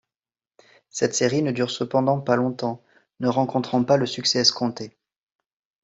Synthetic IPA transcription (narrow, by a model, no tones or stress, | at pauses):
sɛt̪seʁinəd̪yʁsəpɑ̃d̪ɑ̃palɔ̃t̪ɑ̃ | nəʁɑ̃kɔ̃t̪χɑ̃paləsyksɛskɔ̃t̪e